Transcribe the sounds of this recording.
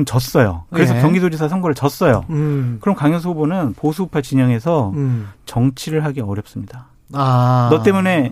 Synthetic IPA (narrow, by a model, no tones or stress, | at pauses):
nt͡ɕʌs͈ʌjo̰kkɯɾe̞sʰʌkjʌŋɡisod͡ʑisʰasʰʌŋɡoɾɯɭt͡ɕʌs͈ʌjokɯɾʌmkaŋjʌs̬ʰobonɯnposʰuːpʰat͡ɕiɲʌŋe̞sʰʌt͡ɕʌŋt͡ɕʰiɾɯɭɦaɡeʌɾjʌp̚s͈ɯmɲida | nʌt͈e̞mune̞